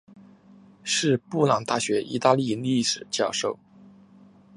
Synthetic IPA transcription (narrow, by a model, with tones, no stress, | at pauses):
ʂɻ̩˥˧pu˥˩lɑ˨˩ŋt̪a˥˩ɕɥɛ˧˥ʔḭ˧˥t̪a˥˧li˥˧li˥˩ʂɻ̩˨˩t͡ɕjɑ˥˧ʊʂo˥˩ʊ